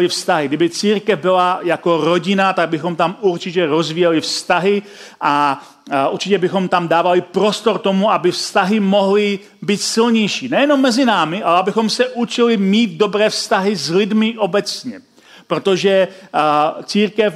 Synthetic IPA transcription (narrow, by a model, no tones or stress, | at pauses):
lɪfst̪aɦɪɡdɪbɪt͡siːɾkɛvbɪlajako̞ɾo̞ɟɪnat̪aɡ̚bɪxo̞mt̪amuɾt͡ʃɪc̬ɛɾo̞zvijɛlɪfst̪aɦɪʔa | ʔuɾt͡ʃɪcɛbɪxo̞mt̪amdaːvalɪpɾo̞st̪o̞ɾt̪o̞muabɪfst̪aɦɪmo̞ɦlɪ | biːt̪sɪlɲɛjʃiːnɛjɛno̞mːɛzɪnaːmɪʔalɛabɪxo̞msɛʔut͡ʃɪlɪmiːt̪̚do̞bɾɛːfst̪aɦɪzlɪdmɪʔo̞bɛt͡sɲɛ | pɾo̞t̪o̞ʒɛ | t͡siːɾkɛf